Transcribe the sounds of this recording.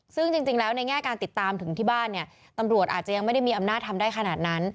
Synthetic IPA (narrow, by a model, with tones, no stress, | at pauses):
sɯ˥˩ŋt͡ɕi˧ŋt͡ɕi˧ŋlɛː˦˥wna˧jŋɛː˥˩kaː˧nt̪i˨˩t̪ːaː˧mt̪ʰɯ˨˩˦ŋt̪ʰiː˥˩baː˥˩nːi˥˩ɐ | t̪a˧mɾu˨˩ət̪̚ʔaː˨˩t̪̚t͡ɕa˨˩ja˧ŋma˥˩jda˥˩jmiː˧ʔa˧mnaː˥˩t̪̚ʰa˧mdaː˥˩jkʰa˧naː˨˩t̪̚na˦˥n